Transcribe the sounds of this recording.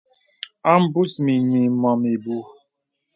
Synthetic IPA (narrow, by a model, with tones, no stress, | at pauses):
a˦m̩˦bu˦smi˨ɲi˨mɔ˨mi˨bu˦